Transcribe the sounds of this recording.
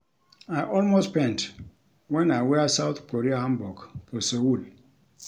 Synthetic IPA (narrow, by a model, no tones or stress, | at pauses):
aɪʔɔlmostpɛ̃nt | wɛ̃naɪwɛsaʊθkoɹiahãmbɔɡfɔsowul